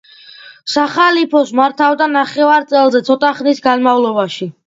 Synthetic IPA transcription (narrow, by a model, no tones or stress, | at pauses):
saχalipʰɔsmaɾt̪ʰavd̪anaχɛvaɾt̪sʼɛlˠzɛt̪sʰɔt̪ʼaχnisɡanmavlˠɔbaʃi